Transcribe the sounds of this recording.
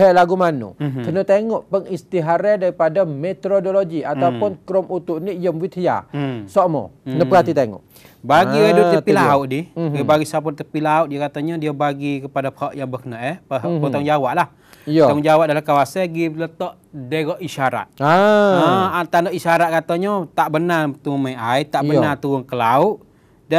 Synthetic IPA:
ɦɛʔlaɡumanṵkənət̪eŋɔʔpəŋist̪iɦaɾɛdaɾipadamet̪ɾodoloɡiat̪aupʊnkɾɔmut̪ʊʔniʔjəmwit̪ʰija̰sɔʔmɔ̰ənəpəkat̪it̪eŋɔ̰ʔ | baɡiadut̪əpilauʔdiiəbaɡisap̬ʊt̪əpilauʔ̚diəkat̪aɲədiəbaɡikəpadaphɔʔjaŋbəkənəʔɛpəpət̪ɔŋd͡ʒawaʔlah | j̪ɔŋd͡ʒawaʔ̪̚dalakawasaɡilət̪ɔʔ | deɣɔʔiʃaɾa̰t̪̚aəat̪anɔʔisaɾat̪̚kat̪aɲɔt̪aʔbənat̪uumaʔajt̪aʔbənat̪uɣʊŋkəlauʔ | da

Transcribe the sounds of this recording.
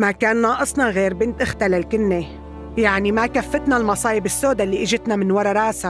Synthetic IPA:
makaːnːɑːʔɨsˤnɑɣeːɾbɪnt̪ʔɪxt̪alalkɪnːe | jaʕnimakafːɪt̪nalmɑsˤɑːjɪbɪsːoːd̪alːiːʔɪʒɪt̪namɪnwɑɾˤɑɾˤaːsa

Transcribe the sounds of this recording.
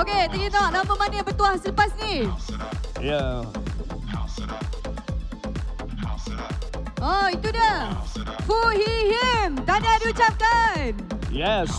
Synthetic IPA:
oket̪əŋunaʔnamə̃manəbət̪uahsələpasni | ja | oit̪uda | fɔhiɦimd̪anadiut͡ʃap̚kanjɛs

